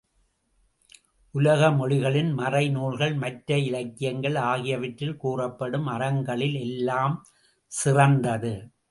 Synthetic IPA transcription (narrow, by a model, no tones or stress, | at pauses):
ʔʊlɐɣɐmɔɻɪɣɐɭɪnmɐrɐɪnuːɭɣɐɭmɐʈɾɐɪlɐkːɪjɐŋɡɐɭaːɣɪjɐʋɐʈɾɪlkuːrɐpːɐɽɯmɐɾɐŋɡɐɭɪlɛlːaːm | sɪrɐnd̪ɐðɯ